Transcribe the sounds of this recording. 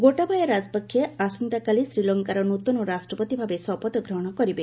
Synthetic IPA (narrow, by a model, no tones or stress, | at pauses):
ɡoʈabʱajɔɾad͡ʒpɔkʰːjeasɔnt̪akalisɾilɔŋkaɾɔnut̪ɔnɔɾasʈɾɔpɔt̪ibʱabesɔpɔt̪ɔɡɾɔɦɔɽ̃ɔkɔɾibe